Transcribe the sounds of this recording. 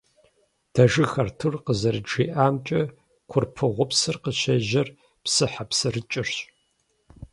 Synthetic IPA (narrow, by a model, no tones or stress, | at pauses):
d̥ɐʒɨxɐrtʰɨrqəzɐrɨʈ͡ʂiːʔaːmt͡ʃʼɐ | kʷʰʊrpʰɨʁʷʊpsɨrqəɕɐʒɐr | psɨħapsɨrɨt͡ʃʼɪrɕʼ